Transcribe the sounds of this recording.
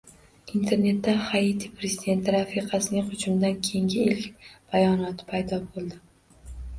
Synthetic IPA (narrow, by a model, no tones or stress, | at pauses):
int̪ʰe̞ɾne̞t̪ːahajit̪ʰipʰɾe̞zid̪e̞nt̪ʰɪɾafiqʰɑsɪnɪŋqʊt͡ʃʊmd̪ankʲʰe̞jŋɡʲɪilkʲb̥ajɒnɒt̪ʰɪ̥pʰajd̪ɒbolˠd̪ɪ